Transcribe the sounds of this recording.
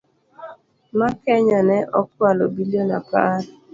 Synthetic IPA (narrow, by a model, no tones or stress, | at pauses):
makɛɲɔnɛʔɔk̚walobiljonapaɾ